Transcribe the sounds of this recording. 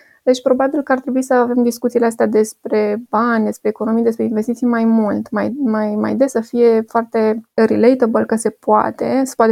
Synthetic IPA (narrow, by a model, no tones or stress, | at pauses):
d̪̥e̞t͡ʃʲpɾo̞babilkəart̪ɾe̞buisəave̞md̪iskut̪sileast̪ead̪e̞spɾe̞banʲd̪e̞spɾe̞ːko̞no̞mijd̪e̞spɾe̞inve̞st̪it̪sijmajmult̪ma̰jmajma̰jd̪e̞sːəfije̞foart̪e̞ɾilejt̪obəlkəse̞poa̰t̪e̞sə̥poat̪e